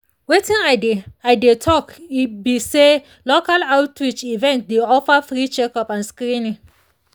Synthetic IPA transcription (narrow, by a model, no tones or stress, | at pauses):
wetĩnaɪdeaɪdetʰɔkibise | lokalawtɾit͡ʃivɛ̃nt̚deɔfafɾit͡ʃɛkɔpãnskɾĩnĩ